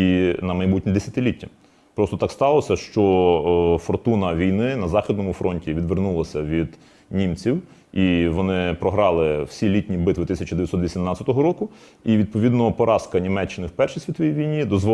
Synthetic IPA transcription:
inɐmɐjbutʲnʲid̪esʲɐt̪ɪlʲitʲːɐ | pɾɔst̪ɔt̪ɑkst̪ɑlˠɔsʲɐʃt͡ʃɔ | fɔrt̪unɐʋʲijnɪnɐzɑxʲid̪̚nɔmʊfɾɔnʲtʲiʋʲid̪ʋernulˠɐsʲɐʋʲid̪ | nʲimt͡sʲiw | iʋɔnɪpɾɔɦɾɑlˠɪw̥sʲilʲitʲnʲibɪt̪ʋɪt̪ɪsʲɐt͡ʃɐd̪eʋʲjɐsɔt̪ʋisʲimnɑtt͡sʲɐt̪ɔɦɔɾɔkʊ | iʋʲid̪̚pɔʋʲid̪nɔpɔɾʔɑskɐnʲimɛt͡ʃːɪnɪwpɛrʃisʲt̪ʲʋʲit̪ʋɔjijʋʲijnʲid̪ɔzʋɔ

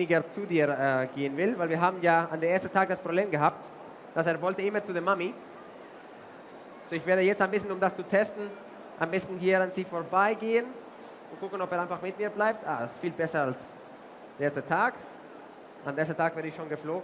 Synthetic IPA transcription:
nɪɡət͡sudiːɐɛːɡeːənvɪlvaɪlviːɐɦaːbmn̩jaːandeːɐeɐstn̩tʰaːk̚d̥aspʁ̥obleːmɡəɦaːp̚t | d̥aseːɐvɔltəɪmɐt͡sudeːmːami | z̥oːɪçveːɐɾəjɛt͡staɪnbɪstnʊmdast͡sutʰɛstn̩ | ʔaɪnbɪstn̩hiːɐanziːfoːɐbaɪɡeːən | ʊntkʊkən̩ɔpeːɐaɪnfaχmɪtmiːɐblaɪp̚tʔa̰ːdasɪ̥stfiːlbɛsɐals | d̥eʔeɐstətʰaːk | ʔa̰ndɛːɐsətʰaːɡ̥v̥ɛːɾəɪçʃoːnɡəfloːɡ

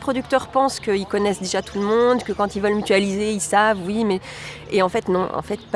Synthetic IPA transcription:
pχɔd̪yk̚t̪œʁpɑ̃skəilkɔnɛsd̪eʒat̪ʰulmɔ̃d̪kəkɑ̃t̪ilvœlmyt̪ɥalizeilsavwimɛ | eɑ̃fɛt̪nɔ̃ɑ̰̃fɛt̪̚p

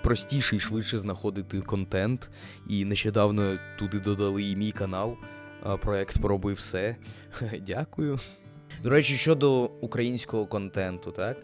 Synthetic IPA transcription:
pɾɔsʲtʲiʃɪjʂʋɪʃɛznɐxɔd̪ɪt̪ɪkɔnt̪ɛnt̪ | ineʃt͡ʃɛd̪ɑwnɔt̪ud̪ɪd̪ɔd̪ɐlˠɪimʲijkɐnɑlˠ | pɾɔɛkt̪pɾɔbɪwsɛ | dʲakʊjʊ | d̪ɔɾɛt͡ʃʲiʃt͡ʃɔd̪ɔukɾɐjinʲsʲkɔɦɔkɔnt̪ɛnt̪ʊt̪ɑk

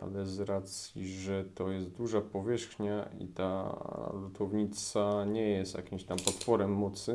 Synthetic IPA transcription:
ʔa̰lɛzɾat̪sʲjḭʐɛt̪ɔjɛst̪̚d̪uʐapɔvʲjɛʂxɲaḭt̪a̰lut̪ʰɔvɲit̪saɲɛjɛst̪ja̰kʲimɕt̪ampɔt̪fɔɾɛmːɔt̪sɘ

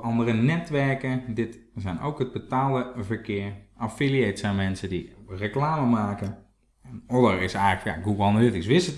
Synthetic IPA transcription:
ʔɑndərənɛtʋɛɹkədɪtsɛjno̰wkɦəd̚bətaːlˠəvəɹkɪəɹafilˠiejtsɛjnmɛnsədirəklaːməmaːkə | ɛnɔləɹɪsɛjɣləkja̰ɡubɔlˠnəɪtɪŋsʋɪsət

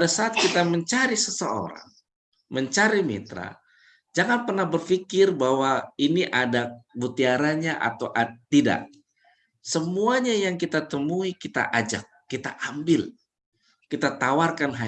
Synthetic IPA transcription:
padasaːt̪̚kit̪aməɲt͡ʃaɾisəsəo̰ɾa̰ŋ | məɲt͡ʃaɾimḭt̪ɾa̰ | d͡ʒaŋanpərnahbərfikɪrbawainiʔadabut̪iaɾaɲaʔa̰t̪awʔat̪ida̰ʔ | səmuaɲajaŋkit̪at̪əmuikit̪a̰ʔad͡ʒa̰k̚ːit̪aʔambɪl | kit̪at̪awarkanɦa

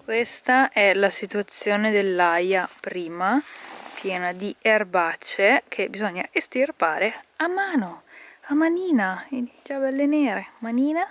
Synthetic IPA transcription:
kwest̪aʔɛlasit̪uat̪sːjoːned̪elːajapɾiːmapjɛːnad̪ierbat͡ʃːek̟ʰebizɔɲːaʔest̪irpaːɾeamːaːnoamaniːnaid͡ʒabɛlːeneːɾemaniːna

